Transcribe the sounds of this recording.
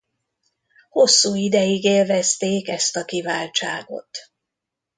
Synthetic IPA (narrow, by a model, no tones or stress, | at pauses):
ho̞sːuːid̪ɛjiɡeːlvɛst̪eːkɛst̪ɒkivaːlt͡ʃa̰ːɡo̞̰t̪